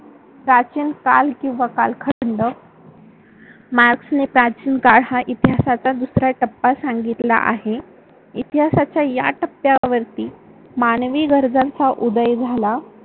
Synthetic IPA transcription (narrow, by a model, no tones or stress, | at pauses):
pɾat͡ɕinkalkĩw̃ʋaka̰lkʰəɽəɳɖə | maɾksnepɾat͡ɕiːnkaɽhaʔit̪iɦasat͡sad̪usɾaʈəpːasaŋɡit̪la̰ʔa̰ɦe | it̪iɦasat͡ɕjaja̰ʈəpːjaʋəɾt̪iː | manʋiːɡəɾd͡zãnt͡saʔud̪əjd͡zʱala